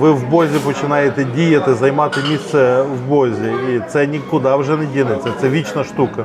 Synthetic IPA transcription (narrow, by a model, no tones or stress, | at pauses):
ʋɪʋbɔzʲɪpɔt͡ʃɪnɑjɪt̪ɪdʲijɐt̪ɪzɐjmɑt̪ɪmʲisɛʋbɔzʲɪit̪sɛnʲikʊd̪ɑwʐɛnɪdʲinɪt̪ʲsʲɐt̪sɛʋʲit͡ʃnɐʂt̪ukɐ